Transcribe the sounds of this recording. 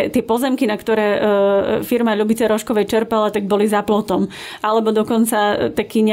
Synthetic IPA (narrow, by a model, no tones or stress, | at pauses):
t̪ɪɛpɔzɛmkinakt̪ɔɾɛː | fiɾmaʎubit͡sɛɾɔʃkɔʋɛjt͡ʃɛɾpalat̪aɡ̚bɔlizaplɔt̪ɔm | ʔalɛbɔd̪ɔkɔnt͡sat̪akiɲ